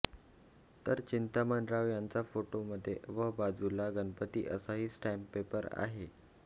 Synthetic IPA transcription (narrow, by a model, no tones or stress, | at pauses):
t̪əɾt͡ɕint̪aməɳɖɾaʋjãnt͡safoʈoməd̪ʱːjeʋəbad͡zulaɡənpət̪ḭːʔəsaɦiːsʈɛmpːepəɾa̰ɦe